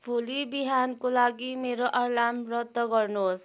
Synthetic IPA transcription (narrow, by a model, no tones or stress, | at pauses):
bʱulibiɦankolaɡimeɾoʔʌɾlamɾɔt̪ːɔɡɔɾnos